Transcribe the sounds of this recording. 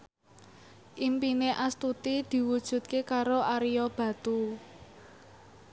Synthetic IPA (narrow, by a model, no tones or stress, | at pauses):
ʔimpineʔast̪ut̪id̪̥i̤wud̥ʒ̥ṳt̪̚kekaɾoʔaɾijɔb̥ä̤t̪u